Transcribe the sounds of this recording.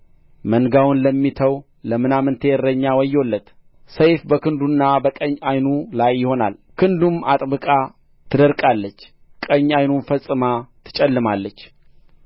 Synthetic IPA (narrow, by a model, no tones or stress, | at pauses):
mənɡawʊnləmːit̪ʰəw | ləmɨnamɨnt̪ʰəɛrəɲːawɔjo̞lːət̪ | səjfbəkɨnd̪unːabəkʼəɲːajnulajːɪho̞na̰lkʰɨnd̪umat̪ʼbɨkʼa | t̪ʰɨd̪əɾkʼalːət͡ʃː | kʼəɲːajnufəsʼːɨmat̪ʰɨ̥t͡ʃʼɛlːɨmalːət͡ʃː